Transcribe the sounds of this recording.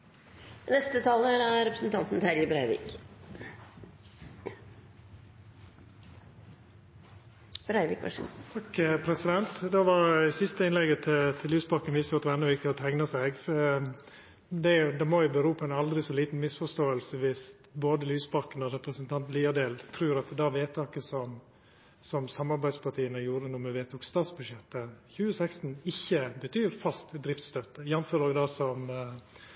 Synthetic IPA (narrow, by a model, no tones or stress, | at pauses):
nɛst̪ət̪ʰɑːləɾæɾɛpɾəsn̩t̪ʰɑnt̪n̩t̪ʰæɾjəbɾæɪʋḭːk | b̥ɾæɪʋɪ̰ːkʋɑ̰ʂt̪ʰɑkpʰɾɛsɪd̪ɛnt̪d̪ɑʋɑɾsɪst̪əɪnlɛɡət̪ʰɪt̪ʰɪlyːsbɑkːənʋɪst̪jɑt̪ʋɛɾnɔʋɪkt̪ɪɔt̪ʰæŋnɑsɛɡf | d̪ɛʊd̪ɑmɔjʊbəɾuːpʰɔɛnɑld̪ɾɪsɔliːt̪n̩mɪsfɔʂt̪oːəlsəʋɪst̪boːd̪əlyːsbɑkːənɔɾɛpɾəsənt̪ʰɑnt̪liːɑd̪eːlt̪ʰɾʉːɾɑt̪d̪ɑʋeːt̪ʰɑːkəsɔm | sɔmsɑmːɑɾbæɪ̥spɑʈʰiːənəjuːɾənʊməʋeːt̪ʰʊkst̪ɑːt̪sbʉd̪ʂjɛt̪ːəçʉːəsɛkst̪n̩ɪçːəbət̪ʰyːɾfɑst̪d̪ɾɪft̪st̪œt̪ːəjɛnføːɾoːɡd̪ɑsɔm